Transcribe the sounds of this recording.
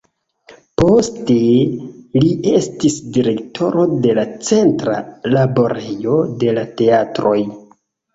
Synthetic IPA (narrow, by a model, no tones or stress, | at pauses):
po̞ste̞ | lie̞stisdiɾe̞ktʰo̞ɾo̞de̞lat͡se̞ntɾalabo̞ɾe̞jo̞de̞late̞atɾo̞j